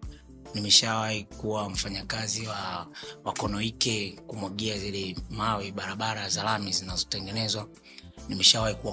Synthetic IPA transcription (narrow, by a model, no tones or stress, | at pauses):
nimɛʃawahikuwam̩faɲakaziwawakɔnɔikɛkumwaɠiazilɛmawiɓaɾaɓaɾazalamizinazɔtɛŋɡɛnɛzwa | nimɛʃawahikua